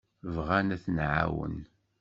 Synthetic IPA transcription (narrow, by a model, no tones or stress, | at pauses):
vʁænæθnʕa̰wə̰n